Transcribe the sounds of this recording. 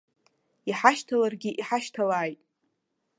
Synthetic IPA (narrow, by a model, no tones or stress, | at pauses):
iħaʃtʰalarɡʲiʔiħaʃtʰalaːjtʼ